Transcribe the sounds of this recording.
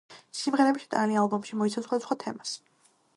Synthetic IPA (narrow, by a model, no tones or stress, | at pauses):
simʁɛɾɛbiʃt̪ʼanlialˠbɔmʃimɔit̪sʰasχwad̪asχwat̪ʰɛmas